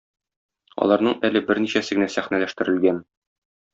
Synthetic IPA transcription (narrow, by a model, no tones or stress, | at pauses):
ɒ̰lˠɑɾnɤɴʔælɘbɘɾniɕæsɘ̆ɡɘ̆næsæχnælæʃt̪ɘ̆ɾɘ̆lɡæn